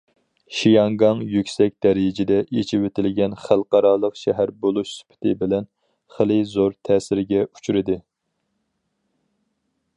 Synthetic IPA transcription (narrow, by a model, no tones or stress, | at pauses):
ʃijɑŋɡɑŋjykʲsɛk̚ʲd̪̥ɛɾɪjɪd͡ʒɪd̪ɛʔet͡ʃʰɪwet̪ʰɪlɪɡʲɛnχælˠqɑɾɑːlˠəqʃɛɦæɾbolˠuʃsy̥pʰɪ̥t̪ʰɪbɪlɛn | χəlˠɨzoɾt̪ʰɛːsɪɾɡʲɛut͡ʃʰyɾɪd̪ɨ